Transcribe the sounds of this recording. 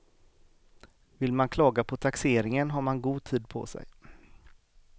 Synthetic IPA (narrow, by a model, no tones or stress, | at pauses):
vɪlmankʰlɑːɡapʰɔt̪ʰakseːɾɪŋənɦaɾmanɡuːɡ̚t̪ʰiːd̪̚pʰɔ̰sɛ̰j